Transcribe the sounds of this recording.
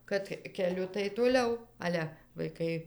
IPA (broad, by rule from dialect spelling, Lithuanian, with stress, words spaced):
kɐt kʲɛˈlʲʊ tɐɪ toːˈlʲɛʊ ˈɑːlʲɛ ʋɐɪˈkɐɪ